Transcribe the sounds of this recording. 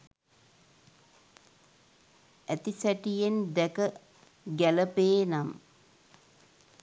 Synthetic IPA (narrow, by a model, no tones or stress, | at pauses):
æt̪isæʈijend̪ɛkə | ɡæləpeːnam